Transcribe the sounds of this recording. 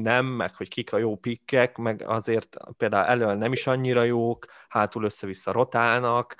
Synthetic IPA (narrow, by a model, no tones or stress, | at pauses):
nɛmːɛ̰kho̞ckikʰɒjoːpikːɛkmɛɡɒ̰zeːrt̪peːld̪aːṵlʔɛ̰lønɛmiʃɒɲːiɾɒjoːkhaːt̪ulø̞sːɛvisːɒɾo̞t̪aːnɒk